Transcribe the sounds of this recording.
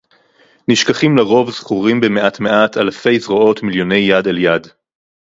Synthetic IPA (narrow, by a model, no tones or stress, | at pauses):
niʃkaχimleʁo̞vz̥χuʁimbemeʔatmeatʰalfe̞jzʁoo̞tmiljo̞ne̞jːadaljad